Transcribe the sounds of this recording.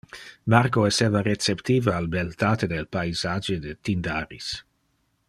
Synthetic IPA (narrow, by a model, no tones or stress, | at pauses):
markoeseːvaret͡sept̪iːvaalbelt̪aːt̪ed̪elpajzad͡ʒed̪et̪ind̪aɾḭs